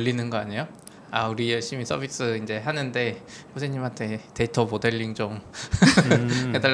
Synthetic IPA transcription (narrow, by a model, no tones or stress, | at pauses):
ɯʎːinɯnɡʌaɲejo | auɾijʌɭɕ͈imisʰʌbʱis͈ɯind͡ʑe̞ɦanɯnde̞mos̬ʰeɲimɦantʰe̞te̞itʰʌmode̞ɭːiŋt͡ɕom | heda